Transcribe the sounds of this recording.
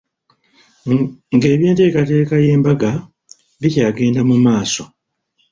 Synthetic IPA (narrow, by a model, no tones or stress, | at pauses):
ŋɡe̞ːβje̞ːnte̞ːkate̞ːkaje̞ːmbaɡa | βicaːɡe̞ːndamumaːso̞